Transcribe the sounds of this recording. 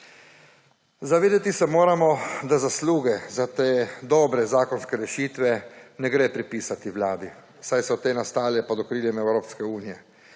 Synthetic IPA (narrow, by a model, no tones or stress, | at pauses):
zaʋeːd̪et̪isɛmoːɾamɔd̪azasluːɡɛzat̪eːd̪ɔːbɾɛzaːkɔnskɛɾɛʃiːt̪ʋɛnɛɡɾeːpɾipiːsat̪iwlaːd̪i | sajsɔt̪eːnast̪aːlɛpɔd̪ɔkɾiːljɛmɛwɾoːpskɛuːnijɛ